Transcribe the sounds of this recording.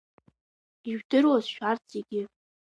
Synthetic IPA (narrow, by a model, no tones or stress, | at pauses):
iʒᶣdɨrwazʃᶣart͡sʼeɡʲɪ